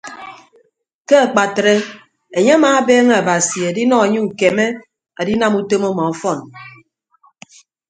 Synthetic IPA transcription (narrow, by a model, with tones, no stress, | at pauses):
ke˦a˨k͡pa˨tɾe˦ | e˨ɲe˦a˦maː˨˦beː˦ŋe˦a˨ba˨si˨e˨di˦nɔ˦e˨ɲi˦ŋ̩˨ke˨me˦ | a˨di˦na˦mu˦to˦mɔ˦mɔ˨ɔ˨fɔ˦˨n